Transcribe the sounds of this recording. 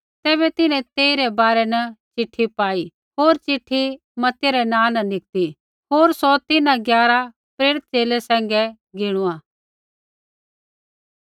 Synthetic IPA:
t̪ɛːbɛt̪ɪnɛ̃t̪eːiɾɛbaːɾɛnɐt͡ʃɪʈʰːipaːi | ɦoːɾt͡ʃɪʈʰːi | mɐt̪jaɾɛnãːnɐnɪk̚t̪i | ɦoːɾsɔt̪ɪnãɡjaːɾa | pɾeːɾɪt̪̚t͡ʃeːlesɛ̃ːŋɡɛ | ɡɪɽ̃ʊãː

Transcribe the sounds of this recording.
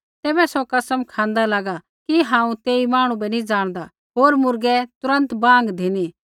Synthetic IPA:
t̪ɛːbɛsɔkɐsəmkʰãːnd̪alaːɡa | kiɦãːũt̪eːimaːɽ̃ũbɛnĩd͡ʒaːɽ̃d̪a | ɦoːɾmʊɾɡɛt̪ʊɾə̃nt̪bãːŋɡd̪ʱeni

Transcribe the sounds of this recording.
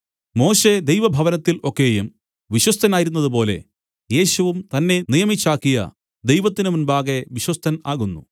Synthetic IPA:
mo̞ːɕe̞d̪ejʋɐbʱɐʋɐnɐt̪ːilo̞kːe̞ːjum | ʋiɕwɐst̪ʰɐnaːjiɾunːɐðup̬o̞ːle̞̰ | je̞ːɕuʋumt̪ɐnːe̞nijɐmit͡ɕːaːkːijɐ̰ | d̪e̞jʋɐt̪ːinɨmunbaːɣeʋiɕwɐst̪ʰɐnaːɣunːṵ

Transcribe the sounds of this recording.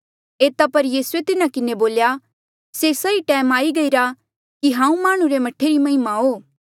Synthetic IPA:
eːt̪apɐɾjiːsuet̪ɪnakɪneboːlja | sesɐiʈɛːmaːiɡɐiɾa | kiɦãːũmaːɽ̃ũɾemɐʈʰːeɾimɐɦɪmaɦoː

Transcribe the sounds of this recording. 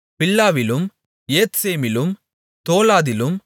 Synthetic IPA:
pɪlːaːʋɪlɯm | jeːt̪seːmɪlɯm | t̪oːlaːðɪlɯm

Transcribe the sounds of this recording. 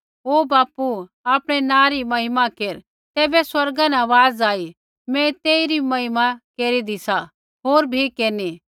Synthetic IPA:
oːbaːpu | aːpɽ̃ɛnãːɾimɐɦɪmakeːɾ | t̪ɛːbɛswɐɾɡãnɛʋaːzaːi | mɛ̃t̪eːiɾimɐɦɪmakeːɾid̪isa | ɦoːɾbʱikeːniː

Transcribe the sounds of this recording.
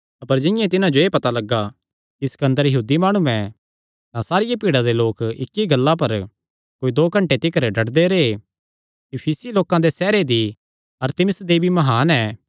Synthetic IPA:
ɐpəɾd͡ʒɪ̃jãt̪ɪnãd͡ʒoeːpɐt̪alɐɡːa | kiskɐ̃nd̪əɾjɐɦuːd̪imaːɽ̃uɛ̃ | t̪ãsaːɾɪjapiːɽad̪eloːkɪkːiɡɐlːãp̬ɐɾ | koːid̪oːkɐ̃ɳʈet̪ɪkəɾɖʱɐɽd̪eɾee | ipʰiːsiloːkãd̪esɛːɾed̪i | ɐɾt̪ɪmɪsd̪eːbimɐɦaːnɛː

